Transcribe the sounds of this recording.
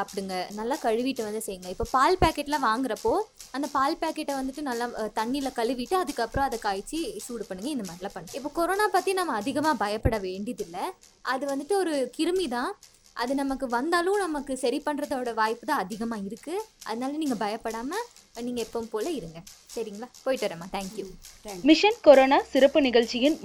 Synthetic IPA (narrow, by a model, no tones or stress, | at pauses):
ɐpːɐɽɯŋɡɐnɐlːaːkɐɻɯʋɪʈːɯʋɐnd̪ɯsɛjːɯŋɡɐɪpːoːpaːlpaːkɛʈːɪlɐʋaːŋɡɪɾɐpːoːɐnd̪ɐpaːlpaːkɛʈːɐʋɐnd̪ɯʈːɯnɐlːaːt̪ɐɳːiɪlɐkɐɭɯʋɪʈːɯɐðɯkːɐpːɯɾɔ̃ɐðɐkːaːjt͡ʃːisuːɽɯpɐɳːɯŋɡɐɪnd̪ɐmaːɾɪlɐpɐɳːɯɪpːoːkɔɾoːnaːpaːt̪ːinɐmːɐːðɪɣɐmaːbɐjɐpːɐɽɐʋeːɳɖɪjɐðɪlːɐʔɐðɯʋɐnd̪ɯʈːɯɔɾɯkɪɾɯmit̪ãː | ʔɐðɯnɐmɐkːɯʋɐnd̪aːlʊ̃nɐmɐkːɯsɐɾipɐɳːɾɐðoːɽɐʋaːjpːɯt̪ãːɐðɪɣɐmaːɪɾɯkːɯʔɐðɐnaːlɐniːŋɡɐbɐjɐpːɐɽaːmɐ | niːŋɡɐɛpːɐpoːlɐɪɾɯŋɡɐsɐɾɪŋɡɐɭaːpoːjɪʈːʋɐɾemaːt̪ʰæːŋkjumɪʂɐnkɔɾoːnaːsɪɾɐpːɯnɪɣɐɭt͡ʃːɪjɪn